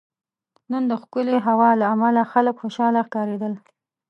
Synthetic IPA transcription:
nənd̪əxkʊleɦawɑlaːmalaxaləkxoʃɑlaxkɑɾed̪əl

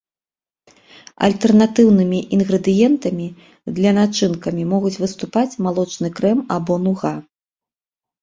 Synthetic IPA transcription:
ɐ̰lʲt̪ɛrnat̪ɨwnɨmʲiʔinɣɾɛd̪ɨjɛnt̪ɐmʲi | d̪lʲɐnat͡ʂɨnkɐmʲimɔɣut͡sʲvɨst̪upat͡sʲmalˠɔt͡ʂnɨkɾɛmabɔnuɣa

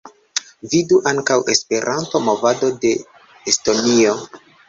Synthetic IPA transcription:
viduʔaŋkawʔe̞spe̞ɾʔantomo̞vado̞de̞ | esto̞nio̞

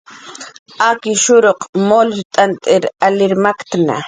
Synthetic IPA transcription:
akɪʃʊɾoqmolt̪ʼant̪ʼɪɾalɪɾmakt̪na̰

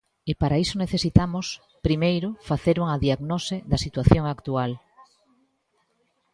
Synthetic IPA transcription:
ɪpaɾaisoneθesit̪amos | pɾimejɾʊfaθeɾuŋaðiaɣnoseðɐsit̪waθjoŋakt̪ual

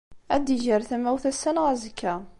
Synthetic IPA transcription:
æd̪iʒəɾθæmæwθæsːænʁæzəkʰːæ

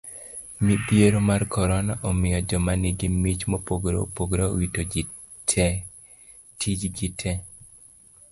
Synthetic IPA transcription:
mipjeɾomarkɔɾɔnaʔɔmɪjɔd͡ʒɔmanɪɡɪmit͡ʃmopoɡɾo̰poɡɾao̰witod͡ʒi | tʰɛ | tʰid͡ʒɡitʰɛ

